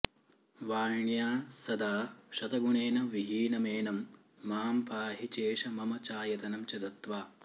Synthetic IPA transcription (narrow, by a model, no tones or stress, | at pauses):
ʋaːɾɳjaːsɐd̪aːʃɐt̪ɐɡuɳeːnɐʋiɦiːnɐmeːnɐmː | aːmpaːɦit͡ʃeːʂɐmɐmɐt͡ʃaːjɐt̪ɐnɐmt͡ʃɐt̪ɐt̪ʋaː